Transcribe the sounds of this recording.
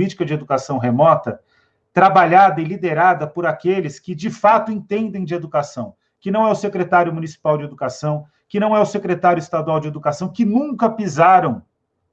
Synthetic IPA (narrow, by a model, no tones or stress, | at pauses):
it͡ʃi̥kɐd͡ʒɪed̪ukasɐ̃w̃ɦemɔt̪ɐ | t̪ɾabaʎad̪ɐɪlid̪eɾad̪ɐpoɾakelɪskɪd͡ʒɪfat̪ʊẽnt̪ẽnd̪ẽj̃d͡ʒɪed̪ukasɐ̃w̃ | kɪnɐ̃w̃ɛʊsekɾet̪aɾjʊmunisi̥pawd͡ʒɪed̪ukasɐ̃w̃ | kɪnɐ̃w̃ɛʊsekɾet̪aɾjʊist̪ad̪uawd͡ʒɪed̪ukasɐ̃w̃kɪnũŋkɐpizaɾɐ̃w̃